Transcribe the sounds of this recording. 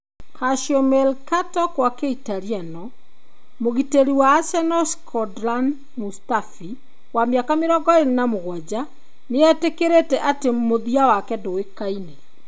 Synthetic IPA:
kaʃjɔmɛlkatɔkwakeitaɾianɔ | moɣiteɾiwaːsɛnɔskʰɔdlan | mustafi | wameakameɾɔɡɔennamoɣwɔd͡ʑa | neɛtekeɾetɛʔatemoðiawakɛdowekaine

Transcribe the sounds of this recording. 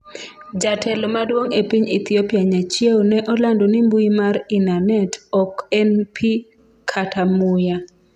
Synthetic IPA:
d͡ʒatʰɛlɔmadwoŋepiɲit̪iopjaɲat͡ʃewnɛʔɔlandonimbuimaɾɪnanɛtɔkɛnpʰi | kʰatʰamʊja

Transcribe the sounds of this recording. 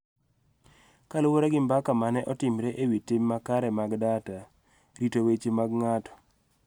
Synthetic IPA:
kalʊwoɾaɡɪmbakamanɛʔɔtɪmɾɛʔewitemːakaɾɛmaɡdata | ɾitowet͡ʃemaɡŋatɔ̥

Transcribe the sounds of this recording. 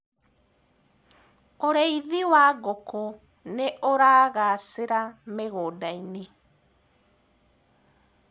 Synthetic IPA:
oɾeiðiwaɣokɔ | neoɾaːɣaseɾameɣoːdaini

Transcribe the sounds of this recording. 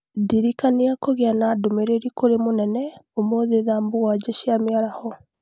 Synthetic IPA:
diɾikaniakoɣeanaːdomeɾeɾikoɾemonɛnɛomoðeðambowad͡ʑɛʃiameaɾahɔ

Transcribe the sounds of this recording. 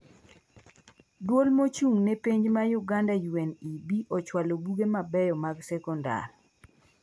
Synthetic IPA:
dwolmot͡ʃuŋnepiɲd͡ʒmajuɡandajwenibiʔɔt͡ʃwalobuɡemabɛjɔmaɡsɛkɔnda̰r

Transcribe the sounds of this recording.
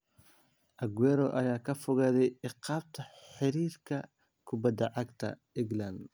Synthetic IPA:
ʔɐɡwɛːɾɔʔɐjaːkʰɐfɔɣaːðɛjɪqɑːb̚t̪ʰɐħɪɾiːrkʰɐ | kʰʊbɐd̪ɐʕɑɡt̪ʰɐ̰ | ɪŋɡlɐnd̪

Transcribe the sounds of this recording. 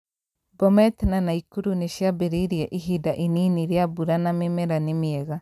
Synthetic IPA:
bɔmɛt̪nanaikuɾuneʃjabeɾiɾiɛʔiɦidaʔininiɾeabuɾanamemɛɾanemiɛɣa

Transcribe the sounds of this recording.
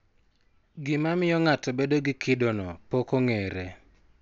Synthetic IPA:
ɡɪmamɪjɔŋatɔbedoɡɪkʰɪdonɔpokoŋeɾe

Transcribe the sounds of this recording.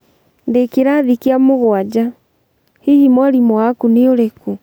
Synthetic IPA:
ndekeɾaðikeamoɣwad͡ʑa | hiɣimwaɾimɔakuneoɾeku

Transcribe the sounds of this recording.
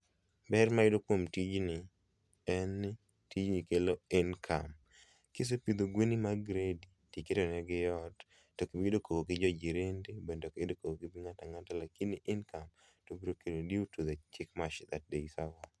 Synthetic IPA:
bɛrmaɪdokwomtid͡ʒnɪ | ɛn | tid͡ʒnikeloenkʰa̰m | kes̬epid̪oɡwenimaɡɾeditiketonɛɡɪjɔd | tokibidokʰoɡoɡɪd͡ʒɔd͡ʒiɾendebendɔkɪdokoɡoɡɪbiŋataŋatalakinɪʔɪnkam | tobiɾokedodiutud̪ɛt͡ʃɪkmaʃd̪at̚deisawa

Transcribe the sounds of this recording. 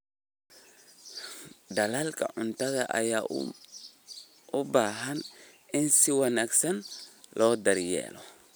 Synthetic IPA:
d̪ɐlaːlkʰɐ̰ʕʊnt̪ɐðɐʔɐ̰jaː | ʊbaːɦɐn | ɪnsɪwɐnaːɡsɐnlʔɔːd̪ɐɾjɛ̰ːlɔ

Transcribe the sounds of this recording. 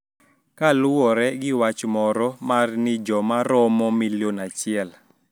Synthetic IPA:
kalʊwɔɾɛɡɪwat͡ʃmɔɾɔmarnɪd͡ʒɔmaɾɔmɔmiljonat͡ʃɪɛl

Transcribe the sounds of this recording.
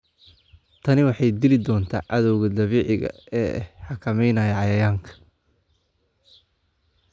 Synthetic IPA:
t̪ʰɐnɪwɑħɑjd̪ɪlɪd̪ɔːnt̪ʰa̰ːʕɑðɔwɣɐd̪ɐβiːʕɪɣɐ̰ | ɛːħɑkʰɐmɛjnɐjɐʕɑjɐjaːŋkʰɐ̥

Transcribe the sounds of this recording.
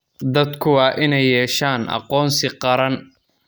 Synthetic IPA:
d̪ɐd̪kʰʊwɑːʔɪnɛjːɛːʃaːnʔɑ̰qɔːnsɪqɑɾɐn

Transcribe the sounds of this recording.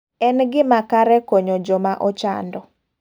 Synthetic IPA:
ɛnɡɪmakaɾɛkoɲod͡ʒɔmaʔɔt͡ʃa̰ndɔ

